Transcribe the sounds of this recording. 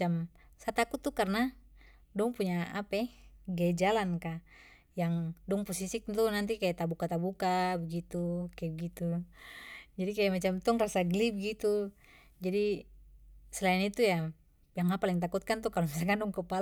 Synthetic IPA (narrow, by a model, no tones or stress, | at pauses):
am | sat̪akut̪ːukarna | dɔŋpuɲaapɛɡad͡ʒalanka | jaŋdɔŋpɔsisik̚t̪unant̪̬ikajat̪abukat̪abukabəɡit̪ukajabəɡit̪u | d͡ʒadikajamat͡ʃamt̪ɔŋrasaɡlib̚ɡit̪u | d͡ʒadi | sɛlainit̪uja | jaŋapalɛŋt̪̬akut̪̚kant̪ukalɔmisakandɔŋkəpal